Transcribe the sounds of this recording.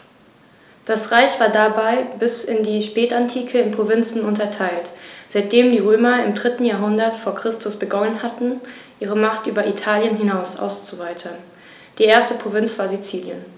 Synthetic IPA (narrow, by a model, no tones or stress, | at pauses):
d̥asʁaɪçv̥aːɐdabaɪbɪsɪndiːʃpɛːtantʰiːkʰəɪnpʁ̥ovɪnt͡sn̩ʊntɐtʰaɪltz̥aɪt̚d̥eːmdiːʁøːmɐɪmdʁɪtn̩jaːɐɦʊndɐtfoːɐkʁ̥ɪstʰʊsb̥əɡɔnənhatn̩ | ʔiːʁ̞əmaχtʔyːbɐʔitʰaːljənɦɪnaʊsʔa̰ʊst͡suvaɪtʰɐn | d̥iːʔeːɐstəpʁ̥ovɪnt͡sv̥aːɐzit͡siːljə̰n